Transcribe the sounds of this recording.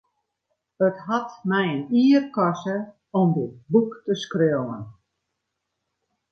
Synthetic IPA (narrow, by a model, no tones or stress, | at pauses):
ətɦatmɛjəniːərkɔsə | ɔmdəbuktəskrøəwə̰n